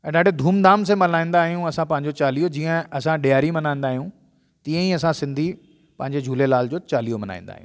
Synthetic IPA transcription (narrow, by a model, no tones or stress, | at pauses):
ɛ̃ɗaːɖʱed̪ʱuːmd̪aːms̬ẽmɐlaːĩːnd̪aːɦijũɐsãpɐ̃ɦɪ̃ɲd͡ʑot͡ɕaːliːod͡ʑiːə̃ɐsãɗijaːɾimɐnaːĩːnd̪aːɦijũ | t̪iə̃iɐsãsɪ̃nd̪ʱi | pɐ̃ɦɪ̃ɲd͡ʑed͡ʑʱuːlelaːld͡ʑoːt͡ɕaːlijomɐna̰ːĩːn̆d̪a̰ːɦiũː